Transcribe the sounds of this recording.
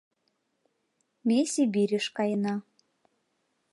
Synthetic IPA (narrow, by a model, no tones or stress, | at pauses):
mʲesʲibiɾʲɘʃkɑjənɑ